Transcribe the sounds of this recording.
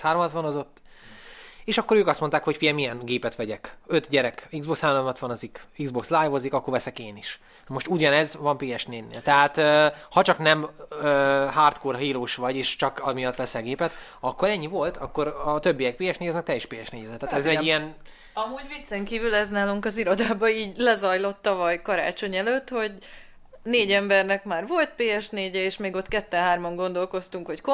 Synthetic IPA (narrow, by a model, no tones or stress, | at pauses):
haːɾomɒt̪ʋɒnozo̞t̪ː | eːʃɒkːo̞ɾøːkɒst̪mont̪aːkho̞cfijɛmijɛnɡeːpɛt̪ʋɛɟɛkø̞t̪ɟɛɾɛkiɡzbo̞kshaːɾomɒt̪ʋɒnozikiɡzbo̞kslaːjvozikɒkːorvɛsɛkeːniʃ | mo̞ʃt̪uɟɒnɛzvɒmpiɛʃneːnḛːlt̪ɛɦaːt̪øːhɒt͡ʃɒknɛmøːɦaːrt̪korɦiːloːʃʋɒɟeːʃt͡ʃɒkɒmijɒt̪ːʋɛsɛɡeːpɛt̪ɒkːoɾɛɲːivo̞lt̪ɒkːo̞ɾɒt̪ø̞bːijɛk̚piːjɛʃneːɛznɛk̚t̪ɛiʃpeːjɛʃneːɟɛd̪ɛt̪ːaːt̪ɛzɛːijɛn | ɒmuːɟʋit̪sɛŋkiːvylɛznaːluŋkɒziɾo̞d̪aːbɒiːɟlɛzɒjlo̞t̪ːɒvɒjkɒɾa̰ːt͡ʃo̞ɲɛløt̪ho̞ɟ | neːɟɛmbɛrnɛkmaːrvo̞lt̪̚peːɛʃneːɟɛeːʃmeːɡo̞t̪ːkɛt̪ːɛnɦaːrmɒŋɡo̞nd̪o̞lko̞st̪uŋkho̞cko